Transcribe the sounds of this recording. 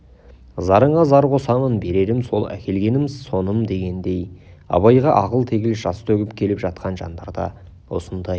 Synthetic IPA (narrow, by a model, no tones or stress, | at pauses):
zɑɾəɴʁɑzɑɾqʰo̞sɑmənbe̞ɾe̞ɾɪmso̞lˠæ̰kʲʰe̞lɡʲe̞nɪmso̞nəmd̪e̞ɡʲe̞nd̪e̞j | ɑ̰βɑjʁɑʔɑqəlˠt̪ʰe̞ɡʲɪlʒɑst̪ʰɵɡʲɪpkʲʰe̞lɪpʒɑt̪̚qɑnʒɑnd̪ɑɾd̪ɑ̰ | wo̞̰sənd̪ɑj